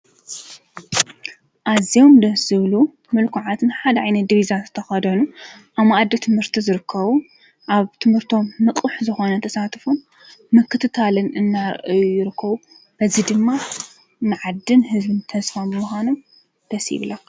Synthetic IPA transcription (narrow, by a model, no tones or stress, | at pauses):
ʔazijo̞md̪ɐszɨβlu | mɨlkʰuʕat̪ʰnɨħad̪ɐʕajnɐt̪̚d̪iβizazɨt̪ʰɐxɐd̪ɐnuʔamaʔad̪ɐt̪ʰɨmhɨɾt̪ʰizɨɾɨkʰːɐβu | ʔaβt̪ʰɨmhɨɾt̪ʰo̞mːɨkʼuħzɨxo̞nɐt̪ʰɐsat̪ʰfumː | ɨkʰːɨt̪ʰɨt̪ʰalɨnɨnːaɾ̰ʔɨjujɪɾɨkʰːɐβu | b̥ɐzid̪ɨmːa | nɨʕad̪ːɨnɦɨzbɨnt̪ʰɐsfabɨmuxʷano̞m | d̪̥ɐsḭβlɐ